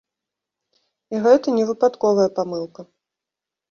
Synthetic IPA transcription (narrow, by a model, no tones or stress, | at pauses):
iɣɛt̪ɐnʲɛvɨpat̪kɔvɐjɐpamɨlˠkɐ